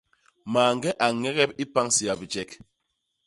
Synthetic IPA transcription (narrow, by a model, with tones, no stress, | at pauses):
maː˨ŋ˦ɡɛ˦ʔa˨ŋɛ˦ɣɛ˦p̚i˦pa˦ŋsi˨a˨bi˨d͡ʒɛ˨k̚